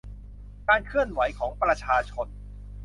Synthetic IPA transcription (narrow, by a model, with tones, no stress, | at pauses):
kaː˧nkʰɯ˥˩ənwa˩˦jkʰɔː˩˦ŋpɾa˧t͡ɕʰaː˧t͡ɕʰo˧n